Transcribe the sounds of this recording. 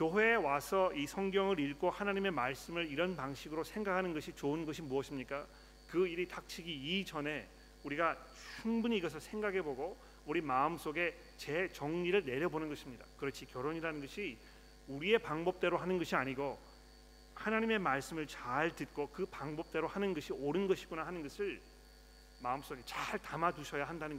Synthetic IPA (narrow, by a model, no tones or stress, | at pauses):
kjoɦwe̞ːwasʰʌisʰʌŋɡjʌŋɯɾiɭɡohanaɲime̞maɭs͈ɯmɯɾiɾʌnpaŋɕʰiɡɯɾosʰe̞ŋɡakʰanɯnɡʌɕʰit͡ɕoɯnɡʌɕʰimuʌɕʰimɲik͈a | kɯiɾitak̚t͡ɕʰiɡiːd͡ʑʌne̞ | uɾiɡat͡ɕʰuŋbuɲiːɡʌs̬ʰʌsʰe̞ŋɡaɡe̞boɡo | uɾimaɯms͈oɡe̞ | t͡ɕe̞t͡ɕʌŋɲiɾɯɭne̞ɾjʌbonɯnɡʌɕʰimɲida̰kɯɾʌt͡ɕʰikjʌɾoɲiɾanɯnɡʌɕʰi | uɾie̞paŋbʌp̚t͈e̞ɾoɦanɯnɡʌɕʰiaɲiɡo | hanaɲime̞maɭs͈ɯmɯɭt͡ɕaɭtɯt̚k͈okɯpaŋbʌp̚t͈e̞ɾohanɯnɡʌɕʰioɾɯnɡʌɕʰiɡonahanɯnɡʌsʰɯɭ | maɯms͈oɡe̞t͡ɕaɭtamaduɕʰʌjaɦandanɯnɡʌ